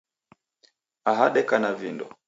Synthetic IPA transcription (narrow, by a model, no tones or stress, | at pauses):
aɦaɗɛkanavindɔ